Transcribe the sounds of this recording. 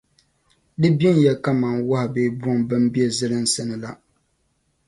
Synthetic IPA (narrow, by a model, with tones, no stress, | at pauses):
dɨ˦bɛ˦n˦jɛ˨ka˦ma˨ŋwa˦hɪ˨be˦bɔ˦ŋbɨ˦m˦bi˦ɛ˦˨zɨ˦lɨ˦n˦sɨ˦nɨ˨la˦